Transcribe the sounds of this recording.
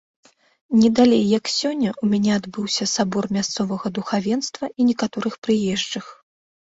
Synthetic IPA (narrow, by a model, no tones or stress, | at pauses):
nʲɛd̪alʲejːɐksʲɔnʲːɐʔumʲanʲɛad̪bɨwsʲɐsabɔrmʲast̪sɔvɐɣɐd̪uxavʲɛnst̪vɐinʲɛkat̪ɔɾɨxpɾɨjɛʐd͡ʐɐx